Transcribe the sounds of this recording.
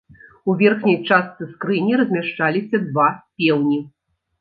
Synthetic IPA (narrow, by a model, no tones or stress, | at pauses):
uvʲɛrxnʲɐjt͡ʂast̪sɨskɾɨnʲiɾɐzʲmʲaʂt͡ʂalʲisʲɐd̪vapʲɛwnʲi